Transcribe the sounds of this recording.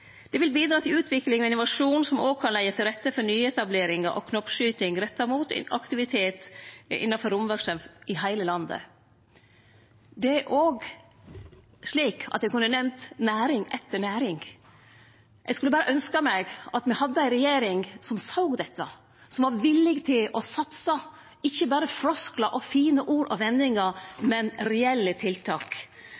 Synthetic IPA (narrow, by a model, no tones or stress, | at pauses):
d̪̥ɛʋɪlbiːd̪ɾɑːt̪ʰɪlʉːt̪ʰʋɪkːlɪŋɔɪnʊʋɑʂuːnsɔmoːɡ̚kʰɑnlæɪət̪ʰɪlɾɛt̪ːəfɔɾnyːɛt̪ɑbleːɾɪŋɑʔɔ̰kʰnɔpʂyːt̪ɪŋɾɛt̪ːɑɾmuːt̪ɛ̰nɑ̰kt̪ɪʋɪt̪ʰeːt̪ɪ̰nːɑfɔɾʊmʋœɾʂəmfʔɪɦæɪləlɑnd̪ə̰ | d̪ɛæɾʔoːɡ | ʂɭiːkʰɑ̰t̪jɛkʉnːənɛmt̪næːɾɪŋɛt̪ːəɳæːɾɪŋ | jʔɛ̰ɡskʉləbɑːɾəʔœnskɑmæɪɡɑt̪mɛhɑd̪ːəæɪnɾɛjeːɾɪŋsɔmsɑʊɡd̪ɛt̪ːɑ̰ | sɔmʋɑɾʋɪlːɪɡt̪ʰɪlɔsɑt̪sɑ | ɪçːəbɑːɾəfɾɔsklɑʔɔfiːnəʔuːɾʔɔʋɛnːɪŋəmɛnɾɛɛlːət̪ʰɪlt̪ʰɑːk